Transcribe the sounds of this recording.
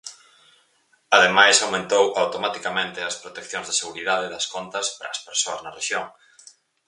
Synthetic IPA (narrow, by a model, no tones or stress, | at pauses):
aðemajsawmẽnt̪owawt̪omat̪ikamẽnt̪ɪɐspɾot̪ekθjõŋzðɐseɣuɾiðaðeðɐskont̪ɐspɾɐ̰ːspeɾsoɐznɐreʃjoŋ